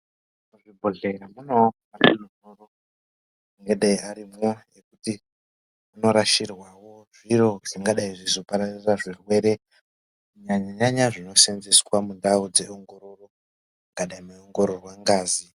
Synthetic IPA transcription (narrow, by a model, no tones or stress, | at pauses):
muʐibʱoɮeramunomatunonoro | uŋɡeɗaiʔaɾimojekuti | muno̞ɾaʃirwawo̞ʐ̥iɾo̞ʐ̥iŋɡaɗaiʐizo̞paɾariraʐirwe̞ɾe̞ | ɲaɲaɲaɲaʐino̞senzeswamundaud͡ze̞oŋɡo̞ɾo̞ro̞ | ŋɡaɗaimaoŋɡo̞ɾo̞rwaŋɡaːzi